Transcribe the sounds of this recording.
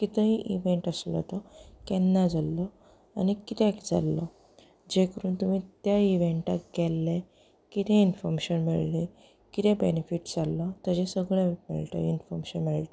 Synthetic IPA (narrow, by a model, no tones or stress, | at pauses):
kit̪ə̃ɦĩʔiʋeɳʈəslə̰t̪əkɛnːad͡zalːə | anikit̪ekd͡za̰lːə | d͡ʑekəɾuːnt̪umiːt̪jaiʋeɳʈaɡɛlːe | kit̪ẽinfɔɾmeɕənmiɭle | kit̪ʰẽbenefiʈd͡zalːat̪əd͡ʑẽsəɡɭemḭɭt̪ə̰infɔɾmeɕənmiɭt̪ə